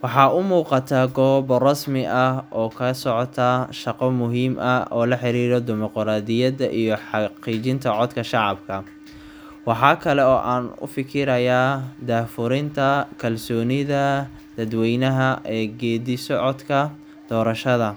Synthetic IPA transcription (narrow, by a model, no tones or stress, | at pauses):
wɑħɑːʊmuːqɑt̪ʰaːɡɔːβɔrɑsmɪʔɐhɔːkʰɐɐsɔʕɔt̪ʰaʃɑqɔmʊɦiːmʔɐɔːlɐħɪɾiːɾɔd̪ɪmɔqɾaːd̪ɪjɐðɐʔijɔħɑqiːt͡ʃɪnt̪ʰɐʕɔd̪kʰɐʃɑʕɑbkʰɐ | wɑħɑːkʰɐlɛɔːʔaːnʊ̰fɪkʰɪɾɐjaːd̪aːfʊɾɪnt̪ʰɐkʰɐlsɔːnɪðɐ | d̪̥ɐd̪wɛjnɐɦɐʔɛːɡɛːðɪsɔʕɔd̪kʰɐ | d̪̥ɔːɾɐʃɐðɐ